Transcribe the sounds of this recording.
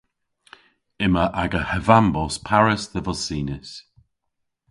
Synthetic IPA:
ɪməʔaɡəhəvambɔspʰaɹəsðəvɔsiːnəs

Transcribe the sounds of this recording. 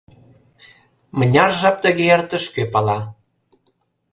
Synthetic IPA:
mə̆nʲɑrʒɑp̚t̪ə̆ɣeərt̪ə̆ʃkøpɑlɑ

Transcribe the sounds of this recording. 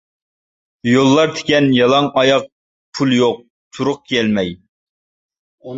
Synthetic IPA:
jolˠːɑɾt̪ʰɪ̥kʲɛnjɑlˠɑŋɑjɑq̚ | pʰulˠjoq̚ | t̪ʰuɾʊq̚kʰʲɛlmɛj

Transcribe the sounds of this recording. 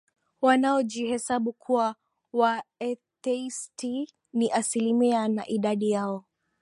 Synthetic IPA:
wanaɔd͡ʒihɛsaɓukʰuwa | waɛtɛisti | niʔasilimiana̰ʔiɗaɗijaɔ

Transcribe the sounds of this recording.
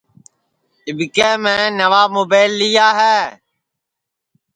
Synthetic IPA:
ɪbɪkeːmẽːnəʋaːmoːbeːɪlːiːaːɦeː

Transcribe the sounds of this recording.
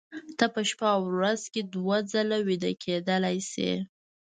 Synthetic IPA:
t̪apəʃpɑwɾazked̪wad͡zalawid̪akʰed̪əlajsḛ

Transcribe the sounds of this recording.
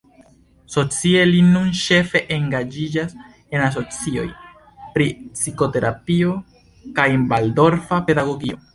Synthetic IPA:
so̞t͡sie̞linunʃe̞fe̞ʔeŋɡad͡ʒid͡ʒas | e̞nas̬o̞t͡sio̞̰j | pɾipsiko̞te̞ɾʔapio̞ | kajenbaldo̞ɾfape̞daɡo̞ɡio̞̰

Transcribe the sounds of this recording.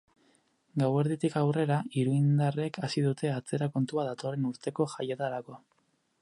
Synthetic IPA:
ɡawe̞ɾðit̪ikawre̞ɾaiɾuind̪are̞kasiðut̪e̞at͡se̞ɾako̞nt̪uaðat̪o̞re̞nuɾt̪e̞ko̞ʝajet̪aɾako̞

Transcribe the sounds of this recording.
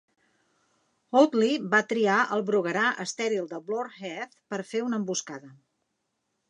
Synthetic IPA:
ot̪liβat̪ɾiaʔəlˠβɾuɣəɾaʔəst̪ɛɾilˠd̪əβloɾxɛθpəɾfeunəmbuskaðə

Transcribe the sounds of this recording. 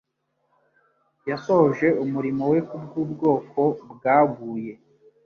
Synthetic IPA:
jasohoʒe̞umuɾimo̞we̞kub̚ɡuːbɡo̞ːko̞bɡaːɡuːje̞

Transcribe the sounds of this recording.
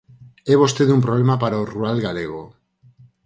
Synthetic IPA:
eβost̪eðumpɾoβ̞lemapaɾaorualɣaleɣ̞o

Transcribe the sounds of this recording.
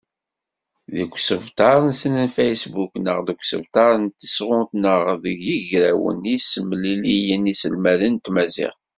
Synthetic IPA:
ðəɡʷːsəvt̪ɑɾˤənsənənfejsbuknəʁðəɡʷsəvt̪ɑɾˤənt̪ə̥sʁʊnt̪nəʁðəʝiʝɾæwə̰nisəmːlilijənisəlmæðənt̪mæzḭʁ

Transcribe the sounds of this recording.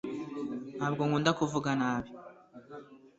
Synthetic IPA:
naːbɡoŋuːndakuvuɡanaːβi

